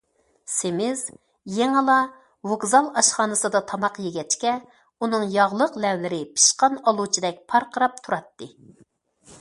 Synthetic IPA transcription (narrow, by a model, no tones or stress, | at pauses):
semɪz | jeŋɨlˠɑ | vokzɑlˠɑʃχɑːnɨsɨd̪ɑt̪ʰɑmɑqjeɡʲɛt͡ʃkʲɛ | unɨŋjɑʁlˠəqlɛwlɪɾɪpʰi̥ʃqɑnɑlˠut͡ʃʰid̪ɛk̚ʲpʰɑɾqʰəɾɑp̚t̪ʰuɾɑt̪ːɨ